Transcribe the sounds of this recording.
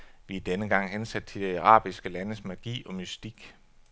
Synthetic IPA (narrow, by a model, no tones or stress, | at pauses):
ʋiæd̥enəɡ̥ɑ̈ŋ̰ɦensæd̥̚t͡sʰe̝d̥iɑʁɑ̰̈ːb̥isɡ̥əlænəsmæɡ̥ḭːɒ̽mysd̥iɡ̥